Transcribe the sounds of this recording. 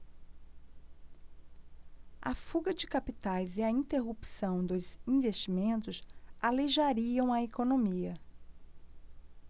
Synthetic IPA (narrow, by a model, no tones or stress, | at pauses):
ɐ̰fuɡɐd͡ʒɪkapit̪ajzɪɐĩnt̪eɦupsɐ̃w̃d̪ʊzĩvest͡ʃimẽnt̪ʊsaleʒaɾiɐ̃w̃ɐekonõmiɐ